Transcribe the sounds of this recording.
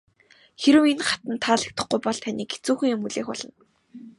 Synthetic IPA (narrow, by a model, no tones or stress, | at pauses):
xeɾɘ̆wenχḁt̪ə̆nt̪ʰːaːɮə̆k̚t̪ə̆χɡujpɔɮt̪ʰanʲiːke̥t͡suːxɘ̆ŋjʊmuɮeːxɔɮ̥ə̆n